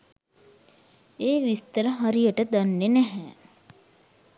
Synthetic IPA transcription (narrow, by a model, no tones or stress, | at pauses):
eːʋist̪əɾəɦaɾijəʈəd̪anːenɛɦɛː